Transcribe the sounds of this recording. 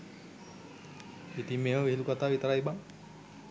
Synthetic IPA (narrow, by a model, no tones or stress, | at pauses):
it̪imːeːməʋiɦilukat̪aːʋit̪aɾajbaŋ